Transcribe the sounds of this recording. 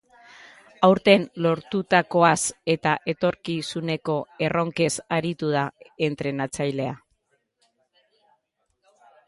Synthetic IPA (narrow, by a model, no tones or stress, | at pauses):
awɾt̪e̞nlo̞ɾt̪ut̪ako̞ase̞t̪aʔe̞t̪o̞ɾkisune̞ko̞e̞ro̞ŋke̞saɾit̪uð̞ae̞nt̪ɾe̞nat͡sajle̞a